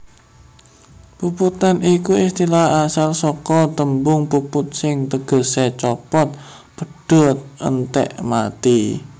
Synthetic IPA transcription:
puput̪anikuist̪ilahasalsɔkɔt̪əmbʊŋpupʊt̪̚sɪŋt̪əɡ̥ə̤sɛt͡ʃɔpɔt̪̚ | pəɖ̥ɔt̪̚ə̰nt̪ɛ̰ʔmat̪i

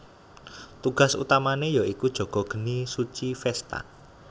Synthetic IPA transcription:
t̪uɡ̥a̤sṵt̪amanejaikud̥ʒ̥o̤ɡ̥ɔ̤ɡ̥ə̤nisut͡ʃifɛst̪a̰

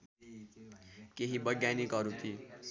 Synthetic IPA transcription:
keɦibʌɡjanikɦʌɾut̪ʰi

